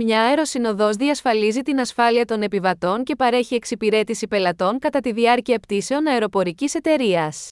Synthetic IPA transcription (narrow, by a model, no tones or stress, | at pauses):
mɲɐeɾo̞sino̞ðo̞zðiɐsfɐlizit̪inɐsfɐliɐt̪o̞ne̞pivɐt̪o̞ŋce̞pɐɾe̞çie̞ksipiɾe̞t̪isipe̞lɐt̪o̞ŋkɐt̪ɐt̪iðiɐɾciɐept̪ise̞onɐeɾo̞po̞ɾicise̞t̪e̞ɾiɐs